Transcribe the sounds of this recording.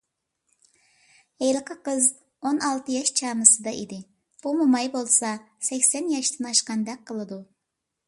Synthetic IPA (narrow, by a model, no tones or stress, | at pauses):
ejlqʰɨqəz | onɑlˠt̪ɨjɑʃt͡ʃʰɑmɨsɨd̪ɑʔid̪ɪ | b̥umumɑjbolˠsɑ | sɛkʲsɛnjɑʃt̪ɨnɑʃqɑnd̪ɛk̚qʰːəlˠɨd̪u